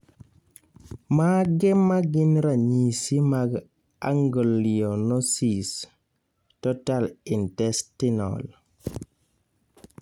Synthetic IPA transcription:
maɡɛmaɡinɾaɲisimaɡ | aŋɡɔlːijɔnɔsis | tɔtalintɛstinɔ̰l

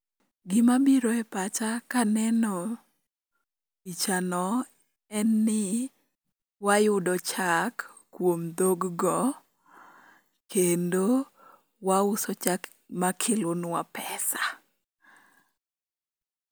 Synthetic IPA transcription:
ɡɪmabiɾoɛpat͡ʃakanɛnɔ | it͡ʃanɔ | ɛnːɪ | wajʊdɔt͡ʃakː | womd̪oɡɡɔ | kendo | waʊsɔt͡ʃak | makʰɪlʊnwapɛsa

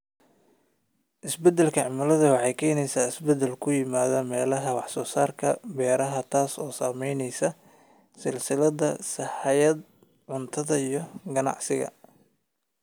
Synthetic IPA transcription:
ʔɪsbɛd̪ɛlkʰɐʕɪmɐlɐðɐwɑħɑjkʰɛːnɛjsaːɪsbɛd̪ɛlkʰʊjɪmaːðɐmɛːlɐɦɐwɑħsɔːsaːrkʰɐbɛːɾɐɦɐt̪ʰaːsɔːsaːmɛjnɛjsɐ | sɪlsɪlɐðɐsɐħɑjɐd̪ | ʕʊnt̪ʰɐðɐijɔɡɐnɑ̰ʕsɪɣɐ̰

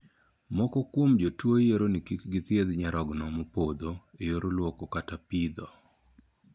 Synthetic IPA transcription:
mɔkɔkwomd͡ʒotwojeɾonikikɡɪt̪jed̪ɲaɾɔɡnɔmopod̪oejoɾolwokɔkatapid̪ɔ

